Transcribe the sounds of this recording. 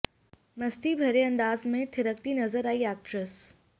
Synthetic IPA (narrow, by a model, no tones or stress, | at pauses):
mɐst̪ibʱɐɾeɐ̃nd̪aːzmẽt̪ʰɪɾək̚t̪inɐzəɾaːiɛːk̚ʈɾəs